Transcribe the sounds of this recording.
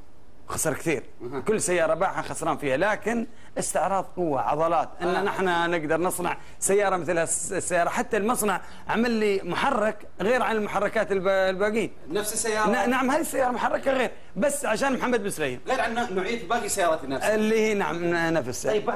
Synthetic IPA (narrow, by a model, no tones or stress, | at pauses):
xɑsˤɑɾˤkt̪iːɾ | kʊlːsajːɑːɾˤɑbaːħaxɑsɾˤɑːnfiːhalaːkɪn | ʔɪst̪ɪʕɾˤɑːðˤqʊwːa̰ʕɑ̰ðˤɑlɑːt̪ʔɪnːanɪħnanɪɡd̪ɑɾˤnɨsˤnɑ̰ʕ | sajːɑːɾˤɑmɪθlhasːajːɑːɾˤɑħat̪ːalmɑsˤnɑʕ | ʕamalːimʊħɑrˤːɪk | ɣeːɾʕanɪlmʊħɑrˤːɑkaːt̪ɪlbalbaːɡiːn | nafsɪsːajːɑːnanaʕamhaːðisːajːɑːɾˤɑmʊħɑrˤːɑkaɣeːɾ | basːʕaʃaːnmʊħamːad̪̚bɪnsɾaʔḭːlɣeːɾʕanːanʊʕiːd̪baːɡisajɑːɾˤɑt̪nːaɪlːiːhiːna̰ʕa̰mnafɪs